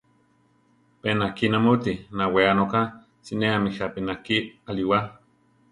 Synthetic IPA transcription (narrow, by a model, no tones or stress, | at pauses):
penakinamot̪inaweanoka | sineamihapinakialiwa